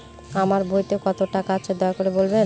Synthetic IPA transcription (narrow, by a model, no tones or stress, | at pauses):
amaɾbʱojt̪ekɔt̪oʈakaat͡ɕʰed̪ɔekoɾebolbe